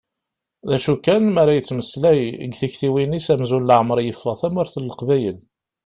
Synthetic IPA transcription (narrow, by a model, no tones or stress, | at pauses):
ðæʃukːænmæɾæjət͡sːməslæjə̰ɡθiçθiwinisæmzunlʕmɾˤjəfːɑθæmʊɾθəlːəqvæjəl